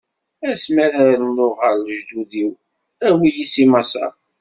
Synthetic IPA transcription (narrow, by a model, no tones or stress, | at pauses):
æsmæɾaɾnːʊʁəɾləʒd̪uðiw | æwijisimɑsɑ̰ɾ